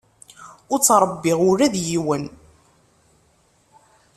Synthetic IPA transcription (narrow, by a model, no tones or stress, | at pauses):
ʊɾt͡sːɾˤəbːɪʁʊɾæðjiwən